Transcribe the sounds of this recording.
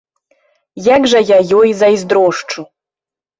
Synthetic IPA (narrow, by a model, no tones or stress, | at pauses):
jaɡʐajajojzajzd̪ɾoʂʈ͡ʂʰu